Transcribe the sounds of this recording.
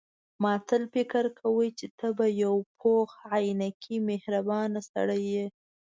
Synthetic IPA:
mɑt̪əlfɪkəɾkʰawəjt͡ʃet̪əbajawp̚ʰoxʕajnakʰimehɾabɑnasa̰ɽəje

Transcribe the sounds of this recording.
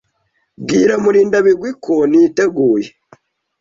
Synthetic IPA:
bɡiːɾamuɾiːndaβiɡwikʰoniteɡuːje

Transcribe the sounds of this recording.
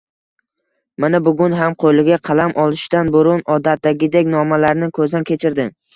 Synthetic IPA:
manabʊɡʲʊnɦamqʰolɪɡʲaqʰɑlamʔɒlˠɪʃt̪anbʊɾʊnɒd̪at̪̚d̪aɡʲɪd̪ekʲnɒmalaɾnɪkʰɵzd̪ankʲʰe̞t͡ʃʰɪɾd̪ɪ

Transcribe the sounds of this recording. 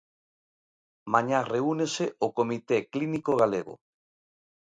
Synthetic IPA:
maɲareuneseokomit̪eklinikoɣ̞aleɣo̰

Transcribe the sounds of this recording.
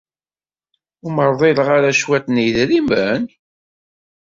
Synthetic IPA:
ʊməɾˤðˤiləʁaɾæʃwæt̪niðɾimən

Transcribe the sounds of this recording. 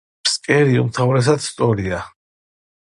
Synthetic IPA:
pskʼɛɾiṵmt̪ʰavɾɛs̬ad̪st̪ʼɔɾia

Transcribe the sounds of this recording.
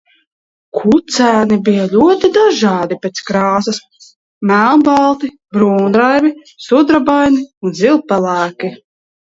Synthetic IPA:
kʰut̪sæːnibijalʲuɔt̪id̪aʒɑːd̪ipʲɛt̪skɾɑːsas | mælˠbalˠt̪i | bɾuːnd̪ɾajvi | sud̪ɾabajniunzilˠpɛlˠæːki

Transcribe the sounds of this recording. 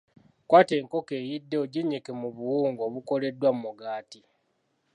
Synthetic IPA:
kwaːte̞ːŋko̞ke̞ːjidːe̞oɟiɲekemuβuwuːŋɡo̞ːβuko̞le̞dːwammuɡaːti

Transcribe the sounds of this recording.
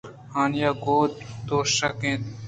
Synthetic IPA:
haːnjaːɡoːt̪̚t̪oːʃɐkẽːt̪

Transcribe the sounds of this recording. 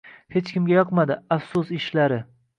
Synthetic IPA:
he̞t͡ʃkʲɪmɡʲajɒqmad̪ɪafsʊsɪʃlaɾɪ

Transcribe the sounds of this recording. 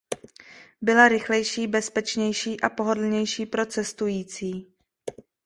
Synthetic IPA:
bɪlaɾɪxlɛjʃiːbɛspɛt͡ʃɲɛjʃiːʔapo̞ɦo̞dl̩ɲɛjʃiːpɾo̞t͡sɛst̪ujiːt͡siː

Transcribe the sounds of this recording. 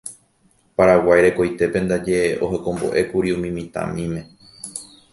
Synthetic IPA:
paɾawajɾe̞kojt̪e̞pẽ̞nd̪ad͡ʒe̞o̞ɦekõ̞mbo̞̰ʔe̞kuɾiumĩmĩt̪ã̰mĩmẽ̞

